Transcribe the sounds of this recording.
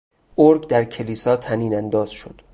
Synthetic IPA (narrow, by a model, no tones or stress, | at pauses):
ʔoɾɡd̪æɾcʰe̞liːsɒːt̪ʰæniːnænd̪ɒːz̥ʃod̪̥